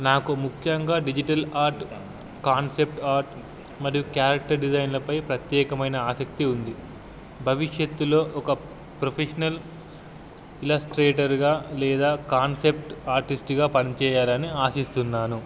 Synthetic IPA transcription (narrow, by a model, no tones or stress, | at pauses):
naːkumukʰjɐŋɡaːɖid͡ʒiʈɐlaːɾʈ | kaːnsep̚ʈaːɾʈ | mɐɾijukjaːɾɐk̚ʈɐɾɖid͡ʒɐjnlɐpɐjpɾɐt̪jɛːkɐmɐjnɐaːsɐk̚t̪iund̪i | bʱɐʋiʂjɐt̪ːulo̞ːʔɔkɐ | pɾopʰeʂɐnɐl | ilɐsʈɾeːʈɐɾɡaːlɛːd̪aːkaːnsepʈaːɾʈisʈɡaːpɐnit͡ʃɛːjaːlɐniaːsist̪unːaːnu